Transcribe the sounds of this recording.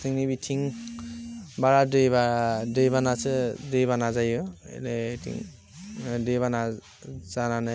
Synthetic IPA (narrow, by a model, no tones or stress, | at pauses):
tʰɯŋnibitʰiŋ | baɾadɯjbadɯjbanasɯdɯjβanazajɯ̰netʰḭŋ | dɯjβana | z̥anana